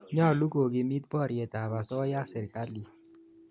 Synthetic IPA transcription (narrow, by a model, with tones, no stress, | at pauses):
ɲa˦˨lu˦ko˨ɡi˨mi˦t̚bɔ˦˨ɾjɛ˨ta˨ba˨sɔ˦ja˦sɛ˨ɾka˦li˨